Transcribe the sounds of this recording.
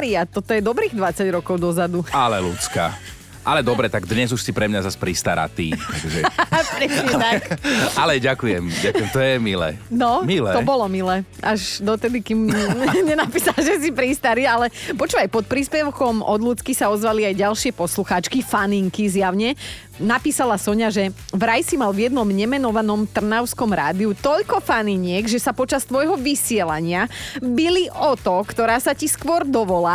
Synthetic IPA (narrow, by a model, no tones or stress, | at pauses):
ɾiat̪ɔt̪ɔjɛd̪ɔbɾiːɣd̪ʋat͡saɟɾɔkɔʊd̪ɔzad̪ualɛlṵt͡ska̰ː | ʔalɛd̪ɔbɾɛt̪aɡd̪ɲɛzuʃsipɾɛmɲazaspɾist̪a̰ɾa̰t̪ḭːt̪akʒɛpɾɛɲɛt̪akalɛɟakujɛmɟakʊɛmt̪ɔjɛmilɛ̰ːnɔmilɛɔbɔlɔmilɛːʔaʒd̪ɔt̪ɛd̪ikimɲɛnapiːsalʒɛs̬ipɾiːst̪aɾialɛpɔt͡ʃuʋajpɔt̪̚pɾiːspɛʊkɔmɔd̪lut͡skisaɔzʋaliajɟalʃɪɛpɔsluxaːt͡ʃkifaniŋkizjaʊɲɛ | napiːsalasɔɲaʒɛʋɾajsimalʋjɛd̪̚nɔmɲɛmɛnɔʋanɔmt̪r̩naʊskɔmɾa̰ːd̪iut̪ɔʎkɔfaniɲɪɛɡʒɛsapɔt͡ʃast̪ʋɔjɦɔʋisɪɛlaɲɪabiliʔɔt̪ɔkt̪ɔɾaːsaciskʋɔɾd̪ɔʋɔlaː